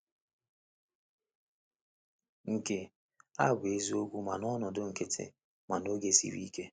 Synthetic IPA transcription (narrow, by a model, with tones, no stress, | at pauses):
ŋ̩˨ke˨ | a̰˦˨ɡe˦zi˦o˦ɡʷu˦ma˨nɔ˦nɔ˨dʊ˦ŋ̩˨ke˦tʰḛ˨ | ma˨no˦ɡe˦sḭ˦ɾḭ˦ke˦